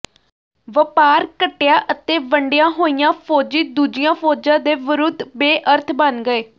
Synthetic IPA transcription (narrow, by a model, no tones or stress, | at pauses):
ʋəpaːɾkəʈːjaːʔət̪eːʋəɳɖɪjãːɦoːijãːpʰoːd͡ʒiːd̪uːd͡ʒɪjãːpʰoːd͡ʒãːd̪eːʋɪɾʊd̪beːʔəɾt̪ʰbənɡəeː